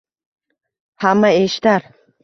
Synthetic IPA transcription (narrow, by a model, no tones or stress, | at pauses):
hamːaeʃt̪aɾ